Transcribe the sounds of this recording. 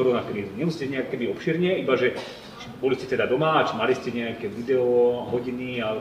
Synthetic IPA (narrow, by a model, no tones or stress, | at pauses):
ɔɾɔnakɾiːzuɲɛuscɛɲɛakɔkɛbiɔpʃiːɾɲɛibaʒɛ | bɔliscɛt̪ɛd̪ad̪ɔmat͡ʃmaliscɛɲɛakɛʋid̪ɛɔɦɔɟinia